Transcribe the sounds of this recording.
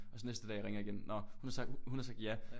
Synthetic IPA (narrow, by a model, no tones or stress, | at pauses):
ʔɒ̽sɒ̽nesd̥əd̥ɛ̰ːjɑ̈ʁeŋɐiɡ̥en̩nɒhunhɑ̈sɑ̈ɡ̥̚hunhɑ̈sɑ̈ɡ̥̚d̥jæ